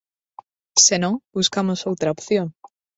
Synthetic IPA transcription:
senõŋbuskamosowt̪ɾaopθjõŋ

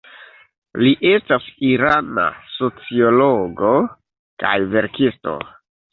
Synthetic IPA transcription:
liʔe̞stasiɾana̰so̞t͡sio̞loɡo̞ | ka̰jve̞ɾkisto̞̰

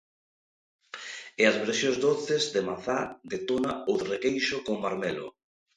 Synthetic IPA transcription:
eazβeɾsjozdoθɪzðemaθad̪et̪onaoðrekejʃʊkoŋmaɾmɛlʊ̰

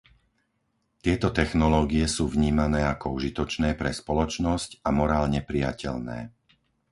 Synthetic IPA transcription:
t̪ɪɛt̪ɔt̪ɛxnɔlɔːɡijɛsuːvɲiːmanɛːakɔuʒit̪ɔt͡ʃnɛːpɾɛspɔlɔt͡ʃnɔscamɔɾaːlɲɛpɾija̰cɛ̰ʎnɛ̰ː

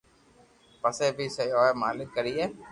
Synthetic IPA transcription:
pəseːbʱiːsəoːeːmaːlɪkːəɾiːɦeː

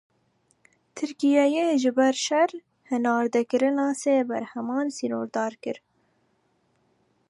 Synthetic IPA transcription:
t̪ʰɨɾkijɑjeːʒɨbɛɾʃɛɾ | hɨnɑːɾd̪ɛkɨɾɪnɑːseːbæɾhɛmɑːnsinoːɾd̪ɑːɾkɨɾ

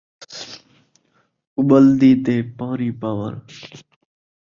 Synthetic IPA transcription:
ʊbəld̪iːt̪eːpaːɾiːpaːwə̰ɾ

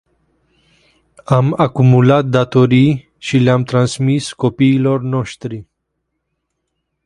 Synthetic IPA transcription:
amakumulat̪̚d̪at̪oɾij | ʃileamt̪ɾansmiskopiːlornoʃt̪ɾi

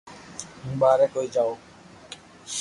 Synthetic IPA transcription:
ɦũːɓaːɾeːkoːiːd͡ʒaːoː

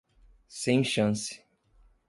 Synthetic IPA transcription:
sẽj̃ʃɐ̃sɪ̥

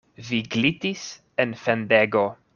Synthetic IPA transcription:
viɡlit̪is | enfendeɡo

